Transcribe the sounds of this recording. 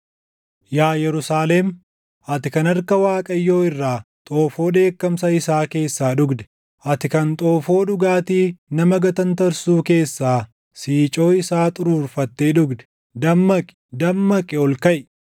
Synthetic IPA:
jaːjɛɾʊsaːlem | ʔɐt̪ɪkɐnɐɾkɐwaːkʼɐjːo̞ːɪrːaːt̪ʼo̞ːfo̞ːᶑe̞ːkːɐmsɐɪsaːke̞ːsːaːᶑʊɡd̪ɛ̥ | ʔɐt̪ɪkɐnt̪ʼo̞ːfo̞ːᶑʊɡaːt̪iːnɐmɐɡɐt̪ɐnt̪ɐɾsuːke̞ːsːaː | siːt͡ʃʼo̞ːɪsaːt̪ʼʊɾuːɾfɐt̪ːeːᶑʊɡd̪ɛ̥ | d̪ɐmːɐkʼɪ̥d̪ɐmːɐkʼːɪɔlkɐʔɪ

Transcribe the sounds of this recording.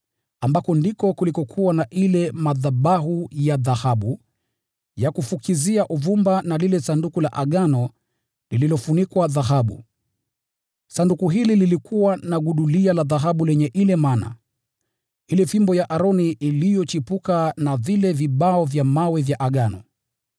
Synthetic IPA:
ambakɔndikɔkulikɔkʰuwanaʔilɛmaðaɓaɦujaðahaɓu | jakufukʰiziaʔuvumbanalilɛsandukulaʔaɠanɔ | lililɔfunikwaðaɦaɓṵ | sandukuɦilililikʰuwanaɠuɗulialaðaɦaɓulɛɲɛʔilɛmana̰ | ilɛfimbɔjaʔaɾɔniʔilijɔt͡ʃipukanavilɛviɓaɔvjamawɛvjaʔaɠanɔ

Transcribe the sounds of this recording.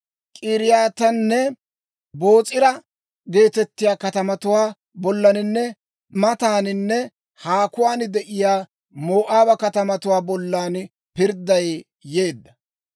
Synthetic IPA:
kʼiːɾɪjaːt̪ɐnːɛ | bo̞ːt͡sʼɪɾɐ | ɡe̞ːt̪ɛt̪ːɪjaːkɐt̪ɐmɐt̪ʊwaː | bɔlːɐnɪnːɛ | mɐt̪aːnɪnːɛ | haːkʊwaːnd̪ɛʔɪjaː | moːʔaːbɐkɐt̪ɐmɐt̪ʊwaːbɔlːaːn | pɪɾd̪ɐj | je̞ːd̪ːɐ

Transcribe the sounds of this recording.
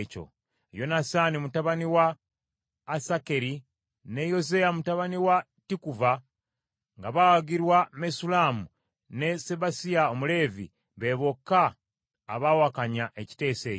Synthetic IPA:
co̞̰ | ejo̞nasaːnimutaβaniwaː | sake̞ɾi | ne̞jo̞zejamutaβaniwa | tikuva | ŋɡaβawaɡiɾwamesulaːmu | ne̞se̞βasijaomule̞ːvḭ | βe̞βo̞kːaː | βawakaɲaʔeci̥te̞ːse̞

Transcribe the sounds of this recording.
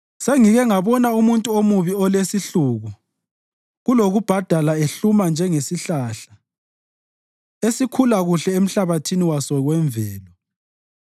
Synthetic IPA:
seŋiɣɛŋaβɔnaumuntʼuomuβiɔlesiɬuɣu | ɣuloɣub̥ʱad̥ʱalaeɬumand͡ʒʱɛŋesiɬaɬḁ | esikʰulaɣuɬɛem̩ɬaβatʰiniwasɔɣwɛɱvʱɛːlɔ

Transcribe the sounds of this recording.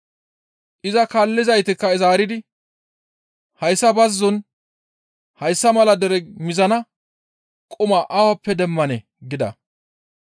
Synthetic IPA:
ʔɪzɐkalːɪzɐjt̪ɪkːɐɪzaːɾɪd̪ɪ | hɐjsːɐbɐzːɔn | hɐjsːɐmɐlɐd̪ɛɾɛmɪzɐnɐ | kʼʊmaʔawɐpːɛd̪ɛmːɐnɛ | ɡɪd̪ɐ̰

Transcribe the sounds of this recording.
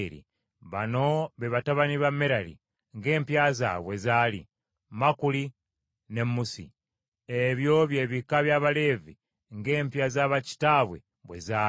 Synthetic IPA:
ɾḭ | βano̞βeβataβaniβameɾalḭ | ŋɡe̞ːmpjaza̰βwe̞zaːlḭ | makuli | ne̞mːusḭ | eβjo̞βje̞ːβikaβjaβale̞ːvi | ŋɡe̞ːmpjazaβaci̥taβwe̞̰ | βwezaː

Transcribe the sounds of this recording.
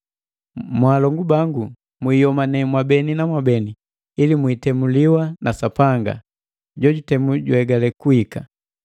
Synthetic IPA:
mwaːlɔŋɡubaŋɡu | mwiːjɔmanɛmwabɛninamwabɛniː | limwiːtɛmuliwanasapaŋɡa̰ | ɟɔɟutɛmuɟuɛɡalɛkuhika̰

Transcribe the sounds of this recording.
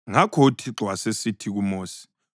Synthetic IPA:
ŋakʰɔutʰiǁwasesitʰiɣ̬umoːsi̥

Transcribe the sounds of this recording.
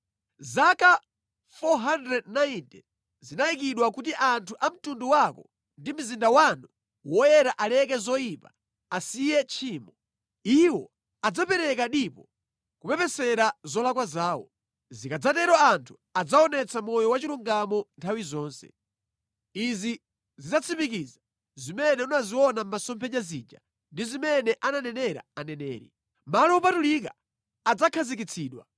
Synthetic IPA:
zaka | fɔɦandɾɛdnaintɛ | zinajikiɗwakutiʔantʰuʔam̩tunduwakɔ | ndim̩zindawanu | wɔjɛɾaʔalɛk̬ɛzɔipa | asijɛt͡ʃʰiːmɔ | iwɔ | ad͡zapɛɾɛkaɗipɔ | kupɛpɛsɛɾazɔlakwazaːwɔ̰ | zikad͡zatɛɾɔantʰu̥ | ad͡zaɔnɛt͡sʰamɔjɔwat͡ʃiluŋɡamɔntʰawizɔːnsɛ̰ | izi | zid͡zat͡sʰipikiza | zimɛnɛunaziɔnam̩masɔmpʰɛd͡ʒaziːd͡ʒa | ndizimɛnɛʔananɛnɛɾa̰anɛnɛ̰ːɾi | malɔupatulika | ad͡zakʰazik̬it͡sʰiːɗwa̰

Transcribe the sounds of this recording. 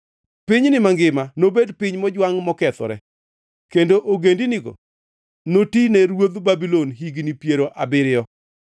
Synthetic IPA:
pɪɲnɪmaŋɡɪmanobedpɪɲmɔd͡ʒwaŋmɔkɛt̪ɔ̰ɾɛ̰ | kendoʔoɡendinɪɡo̰ | notinɛɾwod̪babilonɦiɡnipjeɾoʔabɪɾɪjɔ

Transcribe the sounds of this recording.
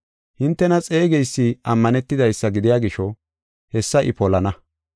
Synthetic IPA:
hɪnt̪ːɛnɐt͡sʼe̞ːɡɛjsːɪʔɐmːɐnɛt̪ːɪd̪ɐjsːɐɡɪd̪ɪjaːɡɪʃɔ | hɛsːɐʔɪ̰pɔlɐnɐ

